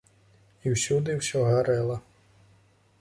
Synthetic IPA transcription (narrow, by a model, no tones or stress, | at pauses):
iwsʲud̪ɪwsʲɔɦaɾɛlˠɐ